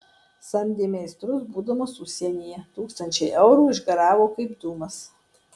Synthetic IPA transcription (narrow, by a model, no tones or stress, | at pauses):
sɐmʲd̪ʲeːmʲɛɪst̪ɾʊsbuːd̪ɐmosʊsʲiɛnʲijɛt̪uːkst̪ɐnʲt͡ʃʲɛɪʔɛʊɾuːɪʒɡɐɾɑːʋoːkɐɪpd̪uːmɐs